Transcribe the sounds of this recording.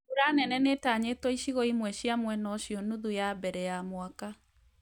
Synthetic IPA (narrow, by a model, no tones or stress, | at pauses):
uɾanɛnɛnetaɲetwɔiɕiɣɔimwɛɕjamwɛnɔɕijɔnuðujabɛɾɛjamwaka